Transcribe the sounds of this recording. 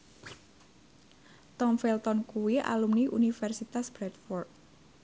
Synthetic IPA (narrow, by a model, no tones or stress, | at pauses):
t̪ɔmfɛlt̪ɔnkuwiʔa̰lumniʔṵnifɛrsit̪asb̥ɾɛt̪̚fɔrt̪̚